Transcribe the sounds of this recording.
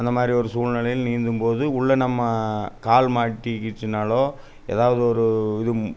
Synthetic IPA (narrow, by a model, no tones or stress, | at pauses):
ɐnd̪ɐmaːd̪ɾiɔɾɯsuːlnɪlɐjɪlniːnd̪ɯmpoːðɯʊɭːɐnɐmːɐkaːlmaːʈːikɪʈːɯnaːloː | ɛ̰ːðaːʋɐðɯɔɾɯɪðɯ